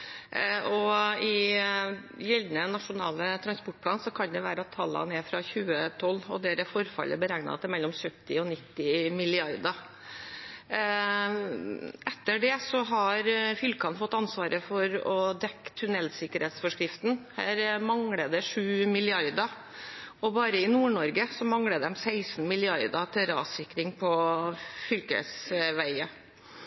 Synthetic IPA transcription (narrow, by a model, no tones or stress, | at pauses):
ɔɪ | jɛld̪nənɑʂʊnɑ̰ːlət̪ʰɾɑnspɔʈ̚ːpʰlɑːnsɔkʰɑnd̪ɛʋæːɾəɑt̪ʰːɑlːɑ̰nɛfɾɑçʉːət̪ʰɔlːɔ̰d̪eːɾəfɔɾfɑ̰lə̰bəɾæɡnɑ̰t̪ɛmɛlːɔmsœt̪ːɪɔnɪt̪ːɪmɪlɪɑɾd̪ɑ | ɛt̪ːəɖɛsɔɦɑɾfʏlkɑnfɔt̪ːɑnsʋɑːɾəfɔɾɔd̪ɛkːt̪ʰʉnɛlsɪkəɾheːt̪sfɔʂkɾɪft̪n̩hæ̰ːɾmɑŋɽəd̪ɛʂʉːmɪlɪɑɾd̪ɑ | ɔbɑːɾəɪnuːɳɔɾɡəsɔmɑŋɽəd̪ɛmsæɪsnmɪlɪɑɾd̪ɑt̪ʰɪɾɑ̰ːsɪkːɾɪŋpʰɔfʏlkə̰sʋæɪə